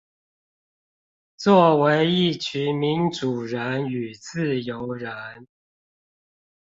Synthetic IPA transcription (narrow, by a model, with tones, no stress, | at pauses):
t͡swɔ˥˩we˧˦˥ɪi˥˩˨t͡ɕʰy˧˥˦mi˨˦nʈ͡ʂu˨˩ɻə˧˦˥ny˨˩t͡sɹ̩˥˨jo˧˦ʊɻə˧˦n